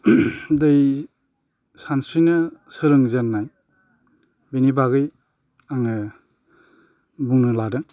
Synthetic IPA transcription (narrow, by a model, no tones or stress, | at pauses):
dɯj | sansɾinɯsɯɾɯŋzenːaj | benibaɡɯj | aŋɯ | buŋnɯladɯŋ